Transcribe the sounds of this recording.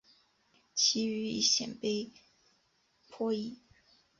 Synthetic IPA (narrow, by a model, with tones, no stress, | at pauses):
t͡ɕʰi˧˥y˧˥ḭ˥˩ɕjɛ̰˨˩npe˥ɪ | pʰwɔ˥i˥˩